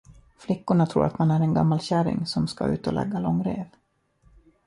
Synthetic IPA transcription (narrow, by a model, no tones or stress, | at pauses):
flɪkːʊɳat̪ʰɾṵːɾat̪manæɾɛnɡa̰mːalɕæɾɪ̰ŋsɔmska̰ʉ̟̰ːt̪ɔlʔɛ̰ɡːalɔŋːɾeːv